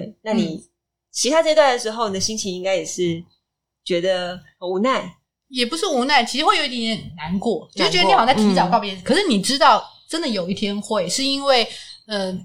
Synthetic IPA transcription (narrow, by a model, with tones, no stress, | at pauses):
we˥˩ɪna˥˩ni˧˨˩ | t͡ɕʰi˧t̪ʰa˥t͡ɕə˥˧t̪wa˥˩nd̪ə˩ʂɻ̩˧˥xo˥ʊi˨˩ə˩ɕi˥ŋt͡ɕʰi˧ŋi˥ŋka˥ɪjɛ˨˩ʂɻ̩˥˩ | t͡ɕɥɛ˧˥d̪ə˧ | ə˨u˧˥na˥˩ɪ | jɛ˨˩pu˧˥ʂɻ̩˥˩u˧˥na˥˩ɪt͡ɕʰi˧˥ʂɻ̩˧xwe˥˩ɪo˨˩˦jɛ˧˦n˥˩n˩na˧˦nkwɔ˥˩t͡ɕjo˨˧ʊ˥˩t͡ɕɥɛ˥˧˥i˧˨˩tʰi˧˥t͡sɑ˨˩kɑ˥˧ʊpjɛ˥˧n̩˩kʰɤ˨˩ʂɻ̩˥˩ni˨˩ʈ͡ʂɻ̩˥t̪ɑ˥˩ʊʈ͡ʂə˥nd̪ə˨jo˨˩ʊi˥˩t̪ʰjɛ˥nxwe˥˩ɪʂɻ̩˥˩i˥nwe˥˩ɪə˧